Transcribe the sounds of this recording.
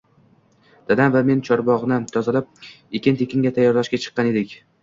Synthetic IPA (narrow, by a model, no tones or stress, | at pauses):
d̪̥ad̪anvame̞nt͡ʃʰɒɾbɒʁnɪt̪ʰɒzɪlap̚ | ekʲɪnt̪ʰe̞kʲɪŋɡʲat̪ʰajːɒɾlaʃkʲat͡ʃʰɨ̥qːɑne̞d̪ɪkʲ